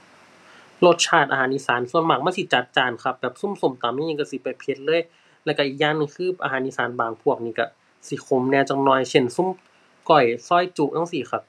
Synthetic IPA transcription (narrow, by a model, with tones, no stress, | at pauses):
lo˧˦t̪̚t͡ɕʰaː˧˩t̪ʔa̰˧ɦaː˨˦ʔi˧˥˨saː˨˦nsu˧˩ənmaː˨˩k̚maː˧˥˨si˧˦t͡ɕa˨˩t̪̚t͡ɕaː˧˩nkʰa˧˩p̚bɛː˨˩p̚su˧˥˨mso˧˩˨mt̪aː˨˩˨miː˧˥˨i˧ka˧˩si˧˦pa˨˩jpʰe˧˦t̪̚lɤː˧˥˨j | lɛ˧˩wka˧˨ʔiː˨˩k̚jaː˧˥˨ŋniː˧˩kʰɯː˧˥˨ʔa̰˧ɦaː˨˦nʔi˧˥saː˨˦nbaː˨˩ŋpʰu˧˩ək̚niː˧ka˧˩ | si˧˦xʰo˧˦mnɛː˧˨wt͡ɕa˧˩ŋ̚nɔː˧˨jse˧˩˨nsu˧˥˨m | kɔ˧˩jsɔː˧˥˩jt͡ɕu˧˩ʔʔaː˧˥˨ŋsi˧˩xa˧p̚